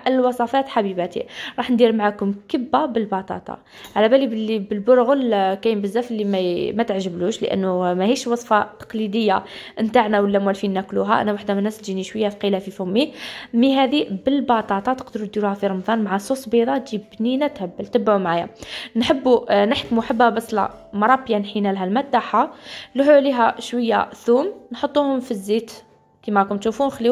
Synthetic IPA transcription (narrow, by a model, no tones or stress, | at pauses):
ʔəlwɑsˤɑfæt̪ħabibæt̪ḭɾˤɑħnd̪iɾmaʕakʊmkəbːabəlbɑt̪ˤɑ̰t̪ˤɑ̰ | ʕalæbælibəlːibəlbʊɾɣəlkæjəmbəzːæfəlːimæmæt̪əʕʒəbluʃlə̰ʔə̰nːumæhiʃwɑsˤfɑt̪ɑ̥qlid̪əjːaʔənt̪aʕnæwəlːæmwælfinːækluɦæ̰ʔə̰nːæwaħd̪æmənːæst̪ʒiniʃwəjːæfqilæfifʊmːimiɦæd̪ibəlbɑt̪ˤɑt̪ˤɑt̪əqd̪əɾud̪iɾuhæfiɾˤɑmd̪ˤɑnmaʕasˤusbid̪ˤɑt̪ʒibninæt̪həbːəlt̪əbːʕumʕaja̰nħəbːunəħkmuħəbːhæbɑsˤlɑ̰ | mɑɾˤɑbjanħinælɦælmæd̪ːaħaluħuʕliɦæʃwəjːæ̰θumnħot̪ˤːuhʊmfizːit̪ | kimækʊmt̪ʃufunxli